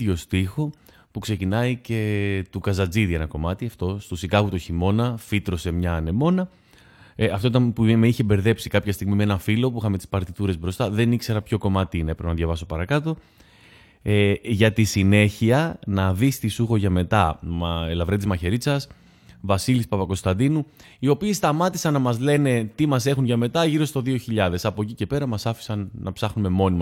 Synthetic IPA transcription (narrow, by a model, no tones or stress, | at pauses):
ʝo̞st̪ixo̞ | pukse̞cinɐice̞t̪ukɐzɐd͡ziðie̞nɐko̞mɐt̪iɐft̪o̞st̪usiɡɐɣut̪oçimo̞nɐfit̪ɾo̞se̞mɲɐne̞mo̞nɐ | ɐft̪oit̪ɐnpumeiçe̞be̞ɾðe̞psi̥kɐpçɐst̪iɣmimee̞nɐfilo̞puixɐme̞t̪i̥spɐɾt̪it̪uɾe̞zbɾo̞st̪ɐðe̞nikse̞ɾɐpço̞ko̞mɐt̪inɐepɾepenɐðʝɐvɐso̞pɐɾɐkɐt̪o̞ | eʝɐt̪isine̞çiɐnɐðist̪isuxo̞ʝɐme̞t̪ɐmlɐvɾet̪izmɐçe̞ɾit͡sɐs | vɐsilispɐpɐko̞st̪ɐnd̪inu | io̞piest̪ɐmɐt̪isɐnːɐmɐzle̞ne̞t̪imɐse̞xunʝɐme̞t̪ɐʝiɾo̞st̪o̞ðioçiʎɐðe̞sɐpo̞ecice̞pe̞ɾɐmɐsɐfi̥sɐnːɐpsɐxnume̞mo̞nimɐ